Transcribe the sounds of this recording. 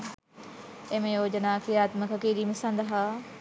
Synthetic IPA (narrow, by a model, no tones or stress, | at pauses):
ẽmẽjoːd͡ʑɐnaːkʰiaːt̪mɐkʰakeːɾimɐsãːnd̪aɦaː